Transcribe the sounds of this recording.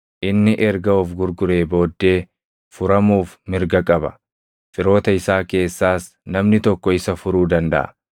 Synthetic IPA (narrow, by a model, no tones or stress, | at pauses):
ʔɪnːɪʔɛɾɡɐuːfɡʊɾɡʊɾe̞ːbo̞ːd̪ːe̞ː | fʊɾɐmuːfmɪɾɡɐkʼɐbɐ̥̰ | fɪɾo̞ːt̪ɐɪsaːke̞ːsːaːs | nɐmnɪt̪ɔkːɔɪsɐfʊɾuːd̪ɐnd̪ɐ̰ʔɐ̥̰